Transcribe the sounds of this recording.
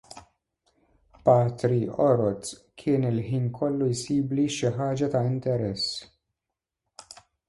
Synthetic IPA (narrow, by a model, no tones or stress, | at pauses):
paːt̪ɾiɔɾɔt̪kʰɪːnɪlħiːnkʰɔlːujsiːbliʃɪħaːd͡ʒɐt̪ɐɪnt̪ɛɾɛs